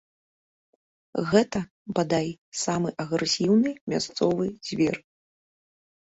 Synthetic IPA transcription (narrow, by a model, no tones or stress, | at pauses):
ɣɛt̪ɐ | bad̪ajsamɨʔɐɣɾɛsʲiwnɨmʲast̪sɔvɨz̥ʲvʲɛr